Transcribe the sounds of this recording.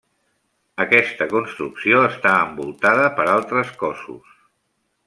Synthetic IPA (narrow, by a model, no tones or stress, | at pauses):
əkɛst̪əkunst̪ɾuksioəst̪aəmbulˠt̪aðəpəɾalˠt̪ɾəskɔsṵs